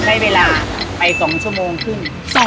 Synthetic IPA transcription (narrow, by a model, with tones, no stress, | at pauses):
t͡ɕʰa˦˥˩jweː˧laː˧pa˧jsɔː˩˦ŋt͡ɕʰu˥˩ɐmoː˧ŋkʰɯ˥˩n˨